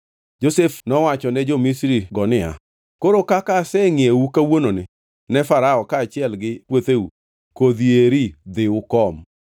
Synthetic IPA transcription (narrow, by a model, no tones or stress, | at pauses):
d͡ʒosefnɔwat͡ʃɔnɛd͡ʒomisɾiɡɔnɪa̰ | koɾokakasɛŋɪeukawononɪ | nɛfaɾaɔkaːt͡ʃɪɛlɡɪpwot̪eu | kod̪ieɾid̪ɪʊkɔm